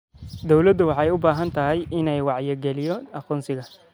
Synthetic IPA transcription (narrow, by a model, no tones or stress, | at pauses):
d̪ɔwlɐd̪ʊwɑħɑɛjʊbaːɦɐnt̪ʰɐɦɛjɪnɛjwɑʕjɐɡɛlɪjɔɐquːnsɪɣɐ